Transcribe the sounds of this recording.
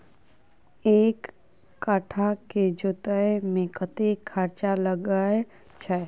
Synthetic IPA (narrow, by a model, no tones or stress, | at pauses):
eːkː | aːʈʰaked͡ʒoːt̪əemẽkət̪ekʰːaːɾt͡ʃaləɡae | t͡ʃʰɛ